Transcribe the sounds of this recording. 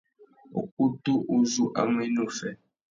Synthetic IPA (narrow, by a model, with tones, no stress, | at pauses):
o̰˨ku˦tu˦ʔo˦zu˦ʔa̰˨ŋe˦nõ˦˨fɛ˨